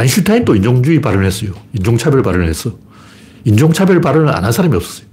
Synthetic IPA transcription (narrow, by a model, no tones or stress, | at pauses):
ainɕʰutʰaint͈oind͡ʑoŋd͡ʑuipaɾɯnɦes͈ʌjoind͡ʑoŋt͡ɕʰabjʌɭpaɾɯnɦes͈ʌ | ind͡ʑoŋt͡ɕʰabjʌɭpaɾɯnɯna̰nɦansʰaɾamiʌp̚s͈ʌ̥s͈ʌ̥jo